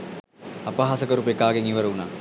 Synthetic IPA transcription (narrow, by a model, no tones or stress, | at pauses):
ɐpaɦasəkəɾupekaːɡeŋiʋəɾəuna